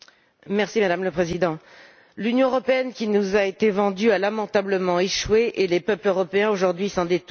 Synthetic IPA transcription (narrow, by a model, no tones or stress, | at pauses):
mɛʁsimad̪amləpχezid̪ɑ̃ | lynjɔ̃øʁɔpeɛnkʲinuzaet̪evɑ̃d̪yalamɑ̃t̪abləmɑ̃eʃweʔelepœpløʁɔpeɛ̃oʒuʁd̪ɥisɑ̃d̪et̪